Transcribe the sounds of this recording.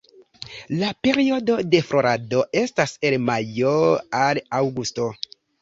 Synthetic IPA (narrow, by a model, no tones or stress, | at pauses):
lape̞ɾio̞do̞de̞fɾo̞ɾado̞e̞stase̞lmajoalawɡusto̞